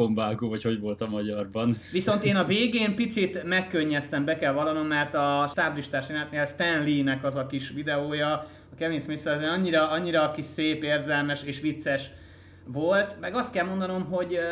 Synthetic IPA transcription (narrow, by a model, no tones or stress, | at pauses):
ombaːɡoːvɒcho̞ɟvo̞lt̪ɒmɒɟɒrbɒnʋiso̞nt̪eːnɒveːɡeːmpit̪sit̪mɛkːøɲːɛst̪ɛmbɛkɛlvɒlɒno̞mːɛrt̪ɒʃt̪abliʃt̪aːʃinaɛt̪neːlst̪ɛnlinɛkɒzɒkiʃʋid̪ɛoːjɒ | ɒkɛveːɲsmeːsɛɛzenɒɲːiɾɒɒɲːiɾɒkiʃseːpeːrzɛlmɛʃeːʃʋit̪sːɛʃ | ʋolt̪mɛɡɒst̪̚kɛlmo̞nd̪ɒno̞mɦo̞ɟ